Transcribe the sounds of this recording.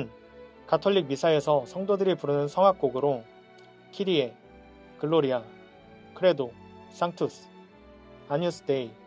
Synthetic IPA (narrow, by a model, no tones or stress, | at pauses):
n | katʰoʎːik̚misʰae̞sʰʌsʰʌŋdodɯɾipuɾɯnɯnsʰʌŋɦak̚k͈oɡɯɾo | kʰiɾie̞ | kɯɭːoɾia | kɯɾe̞do | s͈aŋtʰusʰ | aɲus͈ʰɯ̥de̞i